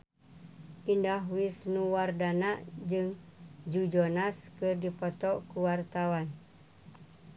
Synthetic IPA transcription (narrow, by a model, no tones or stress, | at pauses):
indaɦwisnuwardanaʔd͡ʒɨŋd͡ʒud͡ʒɔnaskɨrdipɔt̪ɔʔkuwart̪awan